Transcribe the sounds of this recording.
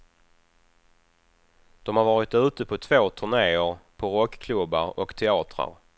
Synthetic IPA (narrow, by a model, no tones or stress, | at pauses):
d̪̥ɔmhaɾvɑːɾɪt̪ʉ̟ːt̪əpʰɔt̪ʰvoːt̪ʰɵɳeːəɾpʰɔɾɔkːkʰlɵbːa̰ɾɔkt̪ʰɛɑːt̪ɾa̰ɾ